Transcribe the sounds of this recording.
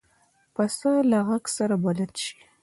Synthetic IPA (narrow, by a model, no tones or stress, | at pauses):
pasalaɣaksaɾabalad̪ʃi̥